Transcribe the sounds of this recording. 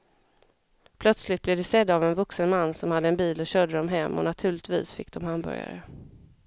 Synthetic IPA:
pʰlœt̪slɪt̪̚blɛvd̪ɛsɛd̪ːavɛnvɵksənmanːsɔmhad̪ːəɛnbiːlɔɕœːɖ̪əd̪ɔmɦɛmːɔ̰nat̪ʰʉ̟ːɭɪt̪vḭːsfɪkːd̪ɔmhambœ̰ɾja̰ɾə̰

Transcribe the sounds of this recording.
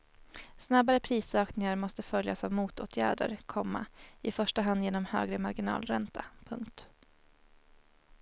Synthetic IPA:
snabaɾəpʰɾiːsœːknɪŋaɾmɔst̪əfœljasavmuːt̪oːt̪ʰjæːɖə̰ɾkʰɔmːa̰ɪfœʂʈaɦand̪jeːnɔmhø̰ːɡɾəmaɾɡɪnɑ̰ːlɾɛnt̪ʰapʰɵŋkt̪

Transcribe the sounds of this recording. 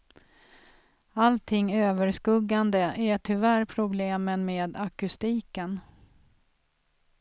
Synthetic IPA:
alt̪ʰɪŋːøːvəɾʂkɵɡːand̪əʔæʈʰʏvæːɾpʰɾʊbleːmənmeːd̪akɵst̪iːkən

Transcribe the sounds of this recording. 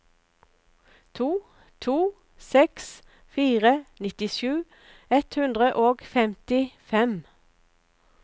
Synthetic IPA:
t̪ʰuː | t̪ʰuː | sɛks | fiːʁənɪt̪ɪʃʉː | ɛt̪hʉnd̪ʁəʔoːɡfɛmt̪ɪfɛm

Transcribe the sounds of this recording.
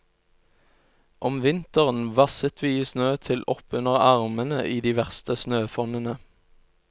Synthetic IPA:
ʔɔmʋɪnt̪əʁənʋɑsət̪ʰʋiːsnøːt̪ʰɪlʔɔpʉnəʁɑʁmənəʔiːd̪iːʋæʁst̪əsnøːfɔnənə

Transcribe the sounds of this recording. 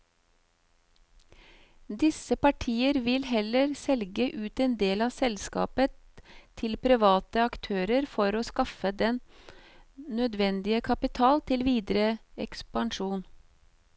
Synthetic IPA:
d̪ɪsəpɑʈʰiːəɾʋɪlhɛləɾsɛlɡəʔʉːt̪eːnd̪eːlɑːsɛlskɑ̰ːpət̪ʰ | ɪlpʰɾɪʋɑːt̪əɑkt̪ʰøːɾəɾfɔɾoːskɑfəd̪ɛn | nœd̪ʋɛnd̪ɪəkʰɑpɪt̪ʰɑːlt̪ʰɪlʋiːd̪ɾəɛ̰kspɑnʃuːn

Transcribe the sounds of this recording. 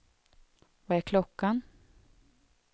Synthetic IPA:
vaæɾkʰlɔkːan

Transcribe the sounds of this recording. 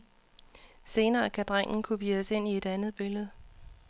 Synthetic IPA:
se̝ːnɐːækʰæd̥ʁaŋ̰n̩kʰub̥iːðəse̝n̰ie̝d̥ænð̞ˠb̥e̝ləð̞̩ˠ

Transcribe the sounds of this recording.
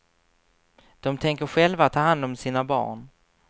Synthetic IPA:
d̪̥ɔmt̪ʰɛŋkəɾɧɛlvat̪ʰːɑːhand̪ɔmsiːnabɑ̰ːɳ

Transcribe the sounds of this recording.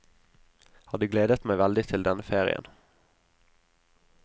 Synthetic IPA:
hɑːd̪ʉːɡleːd̪ət̪mæɪʋɛld̪ɪt̪ʰɪld̪ɛnəfeːʁɪ̰ə̰n

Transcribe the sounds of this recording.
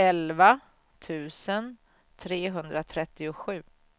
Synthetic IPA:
ɛlva | t̪ʰʉ̟ːsən | t̪ʰɾeːɦɵnd̪ɾat̪ʰɾɛt̪ːɪʊɧʉ̟ː

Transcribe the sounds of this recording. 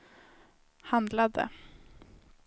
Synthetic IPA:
hand̪lad̪ə̰

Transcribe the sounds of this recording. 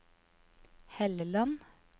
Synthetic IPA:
hɛləlɑn

